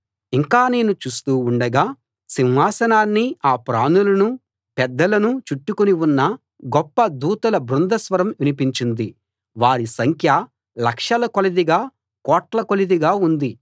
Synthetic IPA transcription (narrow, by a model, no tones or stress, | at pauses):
iŋkaːne̞ːnut͡ʃuːst̪uːuɳɖɐɡaː | sinɦaːsɐnaːnːiaːpɾaːnulɐnu | pɛd̪ːɐlɐnut͡ʃuʈːukoniwunːɐ | ɡɔpːɐd̪uːt̪ɐlɐbɾund̪ɐsʋɐɾɐmʋinipiɲt͡ʃind̪i | ʋaːɾisɐŋkʰjɐ | lɐkʂɐlɐkolɐd̪iɡaː | kɔːʈlɐkolid̪iɡaːund̪i